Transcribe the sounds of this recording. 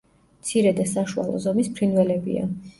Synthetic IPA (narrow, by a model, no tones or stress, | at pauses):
mt̪sʰiɾɛd̪asaʃua̰lˠɔ̰zɔmispʰɾinvɛlɛbḭa̰